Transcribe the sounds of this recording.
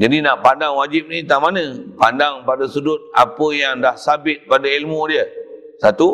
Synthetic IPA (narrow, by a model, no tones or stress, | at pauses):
d͡ʒadinaʔpandaŋwad͡ʒɪp̚nit̪amanə̃pandaŋpadasudʊt̪̚a̰pəjaŋdahsabɪt̪̚padailmudiə | sat̪u